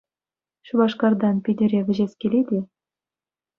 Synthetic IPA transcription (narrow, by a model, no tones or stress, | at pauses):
ɕuβɑʂkɑrd̪ɑnpʲidʲɘ̆ɾʲeʋʲɘ̆ʑesʲkʲelʲed̪ʲe